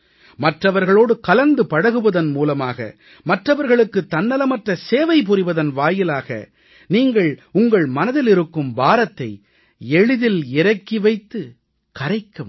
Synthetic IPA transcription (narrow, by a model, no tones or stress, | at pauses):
mɐʈrɐʋɐɾɣɐɭoːɽɯkɐlɐnd̪ɯpɐɽɐɣɯʋɐðɐnmuːlɐmaːɣɐ̰ | mɐʈrɐʋɐɾɣɐɭɯkːɯt̪ːɐnːɐlɐmɐʈrɐseːʋɐɪp̬ɯɾɪʋɐðɐnʋaːjɪlaːɣɐ̰ | niːŋɡɐɭʊŋɡɐɭmɐnɐðɪlɪɾɯkːɯmbaːɾɐt̪ːɐɪ | ɛɻɯðɪlɪɾɐkːiʋɐɪt̪ːɯ | kɐɾɐɪkːɐm